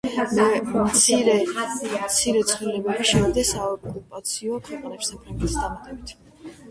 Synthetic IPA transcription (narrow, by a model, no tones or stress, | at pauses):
mɛmt̪sʰiɾɛmt̪sʰiɾɛt̪sʰʼχilɛbɛbiʃɛvid̪ɛsaɔkʼɾupʼat̪sʰiɔkʰwɛqʼnɛpsapʰɾaŋɡɛt̪ʰi̥sd̪amat̪ʼɛbit̪ʰ